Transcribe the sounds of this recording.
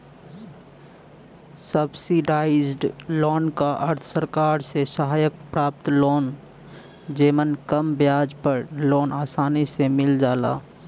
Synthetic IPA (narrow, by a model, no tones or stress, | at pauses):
səbsiɖaːɪd͡ʒɖloːnkaʔəɾt̪ʰsəɾkaːɾsesəɦaːjək̚pɾaːp̚t̪loːn | d͡ʒeːmənkəmbjaːd͡ʒpəɾloːnaːsaːnisemɪld͡ʒaːla̰ː